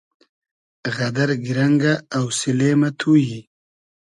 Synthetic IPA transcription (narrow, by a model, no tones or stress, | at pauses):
ɣɐd̪aɾɡiɾaŋɡaːwsileːmat̪ʰuji